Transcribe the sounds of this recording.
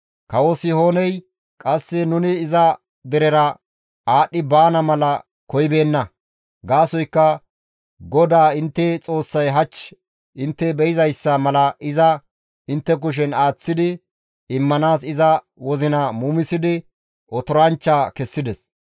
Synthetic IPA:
kɐwɔsɪho̞ːnɛj | kʼɐsːɛnʊnɪːzɐ | d̪ɛɾɛɾɐ | aːɗɪbaːnɐmɐlɐ | kɔjɪbe̞ːnːɐ | ɡaːsɔjkːɐ | ɡɔd̪aːɪnt̪ːɛt͡sʼo̞ːsːɐjɦɐt͡ʃː | ʔɪnt̪ːɛbɛɪzɐjsːɐmɐlɐɪzɐ | ɪnt̪ːɛk̬ʊʃ̬ɛnaːt͡sːɪd̪ɪ | ɪmːɐnaːs̬ɪzɐ | wɔzɪnɐmuːmɪsɪd̪ɪ | ʔɔt̪ɔɾɐnt͡ʃːaːkɛsːɪd̪ɛs

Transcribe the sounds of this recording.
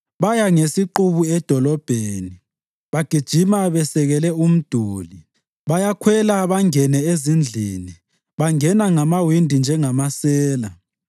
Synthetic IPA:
βajaŋesiǃuβuɛd̥ʱɔlɔb̥ʱeːni | βaɡ̥ʱid̥ʒ̥ʱimaβɛsɛɣɛlɛum̩d̥ʱuːli | βajakʰwɛlaβaŋɛnɛezind͡ɮʱini | βaŋɛnaŋamawindʱind͡ʒʱɛŋamasɛːla

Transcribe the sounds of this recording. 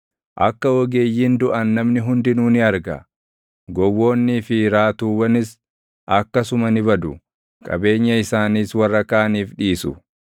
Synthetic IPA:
ʔɐkːɐwɔɡe̞ːjːɪnd̪ʊʔɐnːɐmnɪɦʊnd̪ɪnuːnɪɐɾɡɐ̰ | ɡɔwːo̞ːnːɪfiɾaːt̪uːwɐnɪs | ʔɐkːɐsʊmɐnɪbɐd̪ʊ | kʼɐ̰be̞ːɲːɐɪsaːniːswɐrːɐkaːɐniːfᶑiːsʊ̰

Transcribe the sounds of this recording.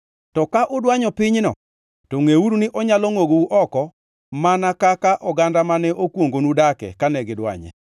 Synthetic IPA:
tɔkaʔʊdwaɲɔpɪɲnɔ̰ | toŋeuɾunɪʔɔɲalɔŋoɡouʔɔkɔ | manakakaʔɔɡandamanɛʔokwoŋɡonudakɛ̰kanɛɡɪdwa̰ɲɛ̰

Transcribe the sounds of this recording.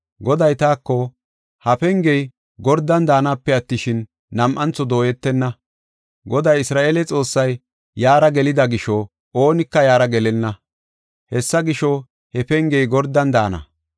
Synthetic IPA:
ɡɔd̪ɐjt̪aːkːɔ | hɐpɛŋɡɛj | ɡɔɾd̪ɐnd̪aːnaːpːɛɐt̪ːɪʃɪnː | ɐmʔɐnt͡sɔd̪o̞ːjɛt̪ːɛnːɐ | ɡɔd̪ɐjɪsɾaːʔeːlɛt͡sʼo̞ːsːɐjː | aːɾɐɡɛlɪd̪ɐɡɪʃɔ | oːnɪkːɐjaːɾɐɡɛlɛnːɐ | hɛsːɐɡɪʃɔ | hɛfɛŋɡɛjɡɔɾd̪ɐnd̪aːnɐ̰

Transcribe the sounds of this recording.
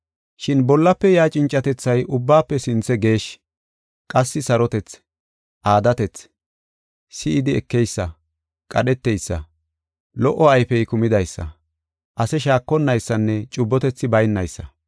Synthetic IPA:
ʃɪnbɔlːɐpːɛjaːt͡ʃʼɪnt͡ʃʼːɐt̪ɛt͡sːɐjʔʊbːaːpːɛsɪnt͡sːɛɡe̞ːʃ | kʼɐsːɪsɐɾɔt̪ɛt͡s | ʔaːd̪ɐt̪ɛt͡s | sɪɪd̪ɪɛkːɛjsːɐ | kʼɐɗɛt̪ːɛjsːɐ̰ | lɔʔːɔɐjfɛjkʊmɪd̪ɐjsːɐ̰ | ʔɐsɛʃaːkːɔnːɐjsːɐnːɛt͡ʃʼʊbːɔt̪ɛt͡sːɪbɐjnːɐjsːɐ̰

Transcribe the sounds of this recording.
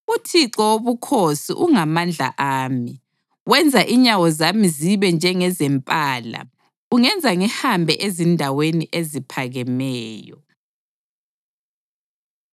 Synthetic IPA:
utʰiǁɔoβukʰosḭʔuŋamand͡ɮʱa̰ʔaːmi | wɛnd͡zʱaʔiɲawɔzamiziβɛnd͡ʒʱɛŋɛzɛmpʼaːla̰ | uŋɛnd͡zʱaŋɛhambʱɛʔezindʱaweniʔezipʰaɣɛmɛːjɔ̰

